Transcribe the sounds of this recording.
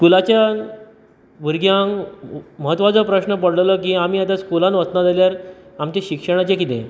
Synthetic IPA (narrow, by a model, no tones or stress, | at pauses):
kulat͡ɕja | ʋiɾɡjãŋməɦət̪ʋat͡səpɾəɕnəpəɽlələkĩam̤iːat̪̬askulãnʋəst͡s̪nad͡zaljaɾamt͡ɕaɕikʂəɽ̃at͡ɕẽkit̪ḛ̃